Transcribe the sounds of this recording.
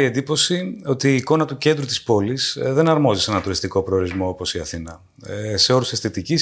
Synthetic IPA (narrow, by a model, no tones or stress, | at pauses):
ie̞nd̪ipo̞sio̞t̪iːko̞nɐt̪uce̞nd̪ɾut̪i̥spo̞lisðe̞nɐɾmo̞zisenɐnt̪uɾist̪iko̞pɾe̞oɾizmo̞opo̞siɐθinɐ | se̞o̞ɾusest̪it̪icis